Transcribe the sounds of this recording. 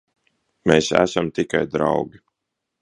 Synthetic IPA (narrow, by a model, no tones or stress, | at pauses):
meːsæ̰samt̪ikajd̪ɾa̰wɡʲi